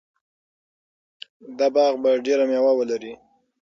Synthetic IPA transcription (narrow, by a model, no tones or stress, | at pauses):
d̪ɑbɑɣbaɖeɾamjawawəlaɾi